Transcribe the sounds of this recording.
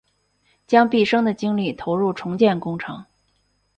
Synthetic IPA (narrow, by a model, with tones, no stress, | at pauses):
t͡ɕjɑ˥ŋpi˥˩ʂɤ˥ŋd̪ə˨t͡ɕi˥ŋli˥˩t̪ʰo˧˥ʊɻu˥˩ʈ͡ʂʰʊ˧˥ŋt͡ɕjɛ˥˩nkʊ˥ŋʈ͡ʂʰɤ̰˧˥ŋ